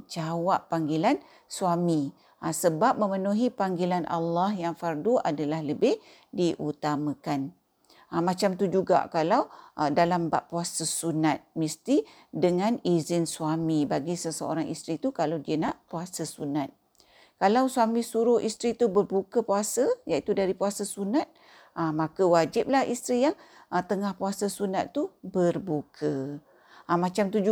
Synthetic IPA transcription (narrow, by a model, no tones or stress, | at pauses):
d͡ʒawaʔpːaŋɡilan | swami | asəbap̚mə̃mənuɦipaŋɡilanʔa̰lːahjaŋfarduʔa̰dalahləbɪh | diʔut̪amãkan | amat͡ʃamt̪ud͡ʒuɡa̰kalawdalamba̰ʔpuasəsunat̪̚mist̪i | dəŋãnizɪnsuamibaɡisəsəo̰ɾaŋḭst̪ɾit̪ukalawdiənaʔpuasasunat̪̚ | kalawsuamĩsuɾʊhʔist̪ɾit̪ubərbukəpuasəjaʔit̪udaɾipuasasunat̪̚ | amakəwad͡ʒɪp̚lahḭst̪ɾijaŋʔət̪əŋahpuasəsunat̪ːubərbukʰə | amãt͡ʃamt̪u